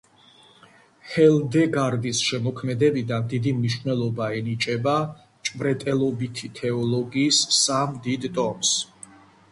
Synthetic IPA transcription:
hɛlˠd̪ɛɡaɾd̪isʃɛmɔkʰmɛd̪ɛbid̪and̪id̪imniʃvnɛlˠɔbaɛnit͡ʃʼɛba | t͡ʃʼbɾɛt̪ʼɛlˠɔbit̪ʰit̪ʰɛɔlˠɔɡiːssamd̪id̪t̪ʼɔms

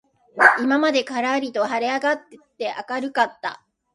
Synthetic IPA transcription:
imamad̪e̞kaɾaːɾʲit̪o̞ɦaɾe̞aɡat̪ːet̪ːe̞ʔakaɾɯ̟kat̪ːa̰

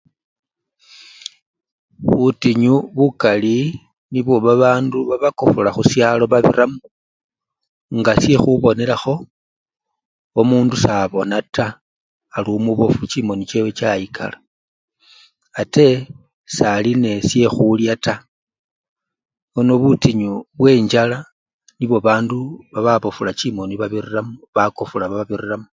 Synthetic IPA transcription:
βutiɲuβukali | niβuβaβaːnduβaβakofulaxusjalo̞βaβḭramu | ŋɡasje̞xuβo̞ne̞ɾaxo̞ | omuːndusaβo̞nataː | lumuβo̞fut͡ʃimo̞nit͡ʃewet͡ʃajikʰa̰la | ate̞ | saline̞sje̞xuljata | ono̞βutiɲuβwe̞ːɲd͡ʒala | niβo̞βaːnduβaβaβofulat͡ʃimo̞niβaβiriramuβakofulaβaβaβiriramu

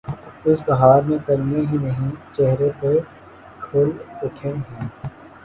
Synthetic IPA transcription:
ɪs̬bɐɦaːɾmẽkɐɾneɦinɐɦĩt͡ʃɛɦɾepe | kʰʊlʊʈʰeɦɛ̃ː

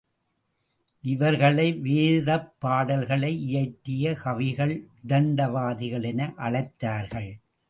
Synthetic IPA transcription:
ʔɪʋɐɾɣɐɭɐɪʋeːðɐpːaːɽɐlɣɐɭɐɪʔɪjɐɪʈːɪjɐkɐʋɪɣɐɭɪðɐɳɖɐʋaːðɪɣɐɭɛnɐʔɐɭɐɪt̪ːaːɾɣɐɭ

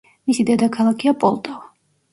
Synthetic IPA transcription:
misid̪ɛd̪akʰalˠakʰiapʼɔlˠt̪ʼɔva

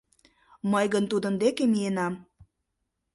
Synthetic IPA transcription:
mɤjɣənt̪ud̪ənd̪ekemienɑm

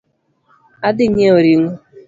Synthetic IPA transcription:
adɪɲeoɾiŋo

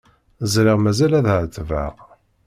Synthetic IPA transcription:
zɾiʁmæzælæðʕət͡s̪ːvæ̰ʁ

